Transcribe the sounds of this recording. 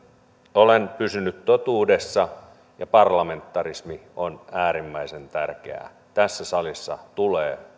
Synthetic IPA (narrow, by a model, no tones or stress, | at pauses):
olenpysynyt̪t̪ot̪uːdesːɑ | jɑpɑrlɑment̪ːɑrismionæːɾimːæisent̪ærkḛæ̰ | t̪æsːæsɑlisːɑ̰t̪uleː